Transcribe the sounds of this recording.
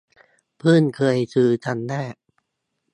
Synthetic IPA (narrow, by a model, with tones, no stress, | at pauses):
pʰɯː˥˩˨nkʰɤː˧jsɯː˧˩t͡ɕa˧nːaː˥˩ʔ